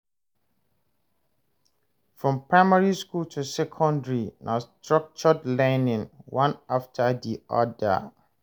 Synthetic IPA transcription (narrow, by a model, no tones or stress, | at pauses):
fɹɔ̃mpʰɹaɪmaɹiskultʰusɛkʰɔ̃ndɹinʔastʰɹak̚t͡ʃɔdlɛnɪ̃ŋwãnaftʰadiɔ̰da̰